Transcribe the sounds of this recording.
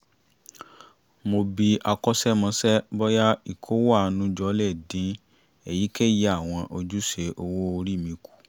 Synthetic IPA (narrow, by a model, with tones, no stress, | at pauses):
mo˧bi˧a˧kɔ˦sɛ˦mã˧˦sɛ˦bɔ˦ja˦i˦˨kʰo˨˦wa˦˨˦nũ˨˦d͡ʒɔ˧˦lɛ˦˨dĩ˨˦ | ɛ˨ji˨˦kɛ˦je˧˦a˦˨w̃ɔ̃˧ʔo˧d͡ʒu˦ʃe˧˦ʔo˧wo˦o˧ɾi˦˨mĩ˨˦ku̥˨